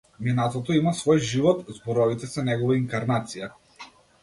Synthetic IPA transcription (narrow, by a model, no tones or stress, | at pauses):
minat̪ɔt̪ɔimasvɔjʒivɔt̪zbɔɾɔvit̪ɛsɛnɛɡɔvaiŋkaɾnat̪sija